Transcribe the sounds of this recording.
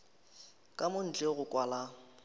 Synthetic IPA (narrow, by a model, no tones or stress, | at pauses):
kʼamʊn̩d͡ɮɛɣʊkʼwala